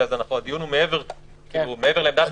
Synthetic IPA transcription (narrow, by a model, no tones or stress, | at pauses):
azanaχond̪ijunhumeeveʁ | umeeveʁleemd̪at̪